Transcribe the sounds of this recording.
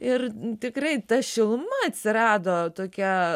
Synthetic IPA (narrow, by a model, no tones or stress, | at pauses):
ɪrt̪ʲɪkrɐɪt̪ɐʃʲɪlˠmɐɐt̪ʲsʲɪɾɑːd̪oːt̪oːkʲɛ